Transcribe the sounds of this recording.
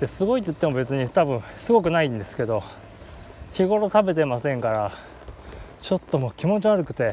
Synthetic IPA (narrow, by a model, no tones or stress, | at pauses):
d̪e̞sɨɡo̞it̪̬ːoi̥t̪ːe̞mo̞be̞t͡sɨɲ̟it̪abɯ̟̃ɰ̃sɨɡo̞k̬ɯ̟naĩnd̪e̞sɨ̥ke̞d̪o̞ | çiɡo̞ɾo̞t̪abe̞t̪e̞masẽ̞ŋkaɾa | t͡ɕo̞t̪ːo̞mo̞ːkʲimo̞t͡ɕiβaɾɯ̟kɯ̟t̪e̞